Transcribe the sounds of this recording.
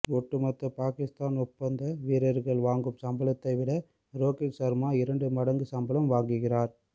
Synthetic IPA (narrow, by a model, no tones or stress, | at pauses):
ɔʈːɯmɐt̪ːɐpaːkɪst̪aːnɔpːɐnd̪ɐʋiːɾɐɾɣɐɭʋaːŋɡɯmsɐmbɐlɐt̪ːɐɪʋɪɽɐ | ɾoːkɪsɐɾmaːɪɾɐɳɖɯmɐɽɐŋɡɯsɐmbɐlɐmʋaːŋɡɯɣɪraːɾ